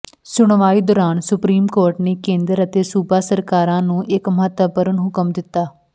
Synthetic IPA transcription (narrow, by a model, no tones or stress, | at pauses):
sʊɳʋaːiːd̪ɔːɾaːnsʊpɾiːmkoːɾʈneːkẽːnd̪əɾət̪eːsuːbaːsəɾkaːɾãːnũːʔɪkməɦət̪əbəɾənɦʊkəmd̪ɪt̪ːaː